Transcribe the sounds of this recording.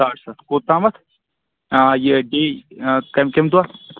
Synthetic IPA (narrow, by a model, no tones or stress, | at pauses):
aːɾsɐt̪koːt̪ãːmɐt̪ʰː | jeɖekɐmkemd̪ua